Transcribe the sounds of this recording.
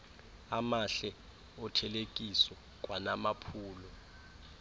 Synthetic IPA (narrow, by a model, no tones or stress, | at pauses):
amaɬɛ | ɔtʰɛlek̬ʼiswɛ | k̬ʼwanamapʰuːlɔ